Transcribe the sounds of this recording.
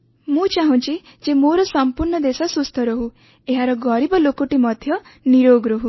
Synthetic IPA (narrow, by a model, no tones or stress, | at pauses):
mũt͡ʃaɦũt͡ʃʰi | d͡ʒemoɾɔsɔmpuɾɳɔd̪esɔsust̪ʰɔɾɔɦu | eɦaɾɔɡɔɾibɔlokoʈimɔd̪ʱjɔniɾoɡɾoɦu